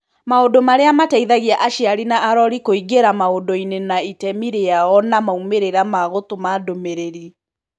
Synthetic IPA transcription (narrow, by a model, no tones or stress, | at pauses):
maodomaɾeamatɛiðaɣiaʔaʃiaɾinaʔaɾɔɾikoiɡeɾamaodoinenaitɛmiɾeaɔnamaumeɾeɾamaɣotomadomeɾeɾi